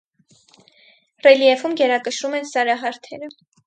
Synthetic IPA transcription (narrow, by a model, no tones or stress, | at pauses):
rɛliɛvumɡɛɾɑkəʃɾumɛnsɑɾɑɦɑɾt̪ʰɛɾə